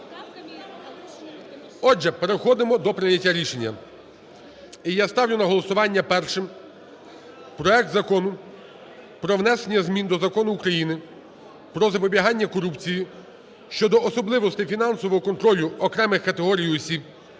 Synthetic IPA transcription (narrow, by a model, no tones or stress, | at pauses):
ɔd͡ʒɛpeɾexɔd̪ɪmɔd̪ɔpɾɪjɐtʲːaɾʲiʃenʲːɐ̰ | ijast̪ɑwlʲʊnɐɦɔlˠɔsʊʋɑnʲːɐpɛrʃɪm | pɾɔɛk̚t̪zɐkɔnʊ | pɾɔwn̪ɛsenʲːɐzmʲind̪ɔzɐkɔnʊːkɾɐjinɪ | pɾɔzɐpɔbʲiɦɑnʲːɐkɔɾupt͡sʲiji | ʃt͡ʃɔd̪ɔɔsɔblˠɪʋɔst̪ɪfʲinɑnsɔʋɔɦɔkɔnt̪ɾɔlʲʊɔkɾɛmɪxkɐt̪eɦɔɾʲijɔsʲib̚